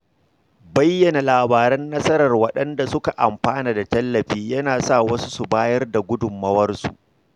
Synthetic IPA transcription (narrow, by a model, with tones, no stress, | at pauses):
bɐ˦jːɐ˨na˨laː˨baː˨ɾɐ˦nːɐ˦sɐ˦ɾɐ˨rwɐ˦ɗɐ˦nda˨sʊ˦ka˨ʔa˨mɸaː˦naː˨da˨tɐ˦lːɐ˨ɸiː˦jɐ˦naː˨sa˦˨wɐ˦su˦su˨baː˦jɐ˦rda˨ɡʷʊ˦dʊ˨mːɐ˦wɐ˦rsṵ˨ʔ